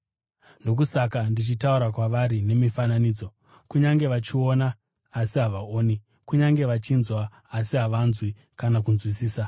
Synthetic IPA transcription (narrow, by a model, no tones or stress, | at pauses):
ndok̬usakandit͡ʃitauɾakwaʋaɾine̞mifananiːd͡zo̞ | kuɲaŋɡe̞ʋat͡ʃio̞naː | siɦaʋaoːni | kuɲaŋɡe̞ʋat͡ʃinzwaː | siɦaʋanzwi | kanak̬unzwisiːsa